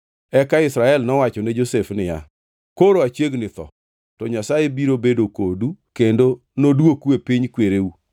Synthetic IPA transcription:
ɛkaɪsɾaɛlnɔwat͡ʃɔnɛd͡ʒosefnɪja̰ | koɾoat͡ʃjeɡnɪt̪ɔ̰ | tɔɲasajebiɾobedokodukendo | nodwokwepiɲkweɾeu

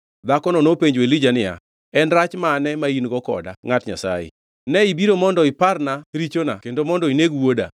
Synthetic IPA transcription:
d̪akɔnɔnopeɲd͡ʒwelid͡ʒanɪja̰ | ɛnɾat͡ʃmanɛmainɡɔkɔ̰da̰ŋatɲa̰sa̰jḛ | nɛibiɾomɔndɔɪparnaɾit͡ʃona̰kendomɔndɔineɡwoda̰

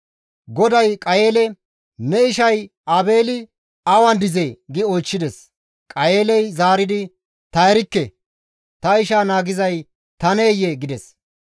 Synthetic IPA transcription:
ɡɔd̪ɐjkʼɐjeːlɛ | nɛɪʃɐj | ɐbe̞ːlɪ | ɐwɐnd̪ɪzeɡɪɔjt͡ʃːɪd̪ɛs | kʼɐjeːlɛjzaːɾɪd̪ɪ | t̪ɐjɛɾɪkːɛ | t̪ɐɪʃaːnaːɡɪzɐj | t̪ɐne̞ːjːɛɡɪd̪ɛs

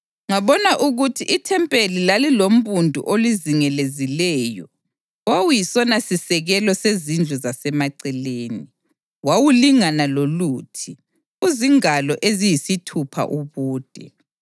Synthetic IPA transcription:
ŋaβɔnaʔuɣutʰiʔitʰɛmpʼelilalilom̩βundʱṵʔoliziŋɛlezilɛːjɔ | wawujisɔnasisɛɣɛlɔsezind͡ɮʱɛzasɛmaǀɛleːni | wawuliŋanaloluːtʰi | uziŋalɔʔezijisitʰupʰa̰ʔuβuːd̥ʱɛ̰

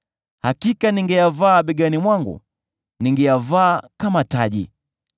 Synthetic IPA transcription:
hakikaniŋɡɛjavaːɓɛɡanimwaŋɡṵ | niŋɡɛjavaːkamataʄḭ

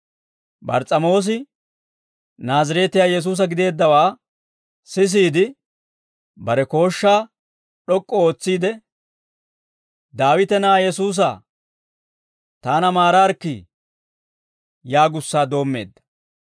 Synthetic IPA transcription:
bɐ̰ɾt͡sʼɐmo̞ːs̬ɪ | naːzɐɾeːt̪ɪjaːjɛs̬uːs̬ɐɡɪd̪e̞ːd̪ːɐwaː | sɪs̬iːd̪ɪ | bɐɾɛko̞ːʃːaː | ɗɔkʼːɔo̞ːt͡sːiːd̪ɛ | d̪aːwɪt̪ɛnaːjɛsuːs̬a̰ː | t̪aːnɐmaːɾaːɾkːi | jaːɡʊsːaːd̪o̞ːmːe̞ːd̪ːɐ̥

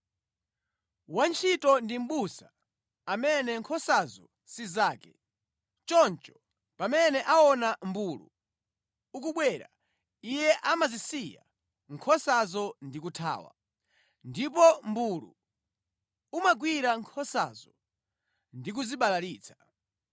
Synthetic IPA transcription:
want͡ʃʰitɔndim̩ɓusa | amɛnɛŋkʰɔsazɔ̰ | sizaːkɛ | t͡ʃɔnt͡ʃɔ̥ | pamɛnɛʔaɔnam̩buːlṵ | uk̬uɓwɛɾa̰ | ijɛʔamazisija̰ | ŋkʰɔsazɔndikutʰa̰ːwa̰ | ndipɔmbulṵ | umaɡwiɾaŋkʰɔsa̰zɔ | ndik̬uziɓalaliːt͡sʰḁ

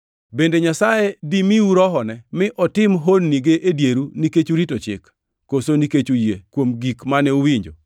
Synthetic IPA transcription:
bendeɲasajedimiuɾɔɦɔnɛmɪʔɔtɪmɦonːiɡeʔedjeɾuniket͡ʃuɾitot͡ʃɪ̰kː | osoniket͡ʃujekwomɡikmanɛuwiɲd͡ʒo

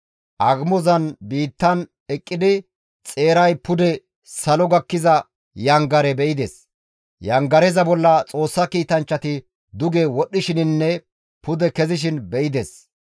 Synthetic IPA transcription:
ʔɐɡmɔzɐnbiːt̪ːɐn | ɛkʼːɪd̪ɪ | t͡sʼe̞ːɾɐjpʊd̪ɛ | sɐlɔɡɐkːɪzɐ | jɐŋɡɐɾɛbɛʔɪd̪es | jɐŋɡɐɾɛzɐbɔlːɐt͡sʼo̞ːsːɐkiːt̪ɐnt͡ʃːɐt̪ɪ | d̪ʊɡewɔɗːɪʃɪnɪnːɛ | pʊd̪ɛkɛzɪʃ̬ɪnbɛʔɪd̪es

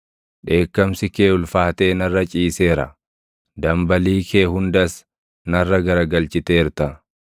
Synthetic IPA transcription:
ᶑe̞ːkːɐmsɪke̞ːʊlfaːt̪e̞ːnɐrːɐt͡ʃʼiːse̞ːɾɐ̰ | d̪ɐmbɐliːkʰe̞ːɦʊnd̪ɐs | nɐrːɐɡɐɾɐɡɐlt͡ʃɪt̪e̞ːɾt̪ɐ

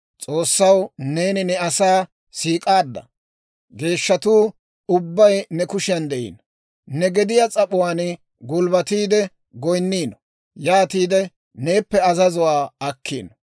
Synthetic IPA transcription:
t͡sʼo̞ːsːɐwne̞ːnɪnɛɐsaː | siːkʼaːd̪ːɐ̰ | ɡe̞ːʃːɐt̪uː | ʊbːɐjnɛkʊʃɪjɐnd̪ɛʔḭːnɔ | nɛɡɛd̪ɪjat͡sʼɐpʊwaːn | ɡʊlbɐt̪iːd̪ɛ | ɡɔjnːiːnɔ̥ | jaːt̪iːd̪ɛ | ne̞ːpːɛɐzɐzʊwaːɐkːḭːnɔ

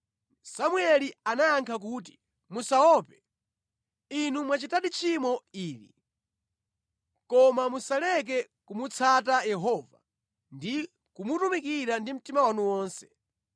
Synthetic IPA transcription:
samuɛlianajaŋkʰak̬uːt̬i̥ | musaɔpɛ | inumwat͡ʃitaɗit͡ʃʰimɔiːɾḭ | kɔmamusalɛk̬ɛ | kumut͡sʰatajɛɦɔva̰ | ndi | kumutumikiɾandim̩timawanuwɔːnsɛ̥

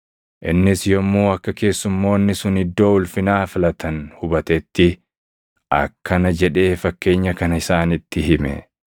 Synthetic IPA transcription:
ʔɪnːɪsjɔmːuːɐkːɐke̞ːsːʊmːo̞ːnːɪsʊnɪd̪ːo̞ːʊlfɪnaːfɪlɐt̪ʰɐnhʊbɐt̪ɛt̪ːɪ | ʔɐ̰kʰːɐnɐd͡ʒɛᶑe̞ːfɐkːe̞ːɲːɐkɐnɐɪsaːnɪt̪ːɪhɪmɛ̰

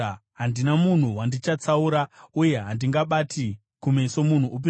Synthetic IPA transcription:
ɦandinamun̤uwandit͡ʃat͡sauɾauje̞ɦandiŋɡaɓatʰi | kumeso̞mun̤uʔːp̬i

